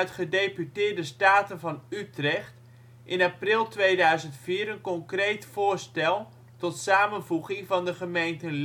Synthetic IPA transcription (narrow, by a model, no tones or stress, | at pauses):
tχədejpytɪːɹdəstaːtənvɑnytrɛχt | ʔɪnaprɪlˠtʋejdœɥzəntfiːɾənkɔŋkrejtfʊːɹstɛlˠ | tɔtsaːmənvuχɪŋvɑndəχəmejntənl